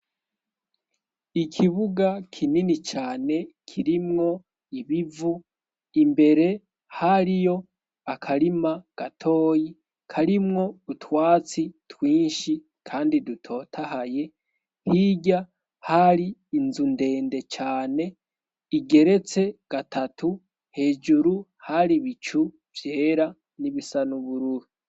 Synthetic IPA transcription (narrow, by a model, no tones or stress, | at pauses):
ikʰiβuɡakʰininit͡ʃaːne̞kʰiɾimŋo̞ | iβivu | imbe̞ɾe̞ | haɾijo̞ | akʰaɾimaɡ̥atʰo̞ːji | kʰaɾimŋo̞dutwaːt͡sitwiːnʃi | kʰaːndidutʰo̞ːtʰahaje̞ | hiɟa | haɾiːnzunde̞ːnde̞t͡ʃaːne̞ | iɡe̞ɾe̞t͡se̞ɡ̥atʰatu | he̞ːd͡ʒuɾuhaɾiβit͡ʃu | vje̞ːɾa | niβisanuβuɾuɾu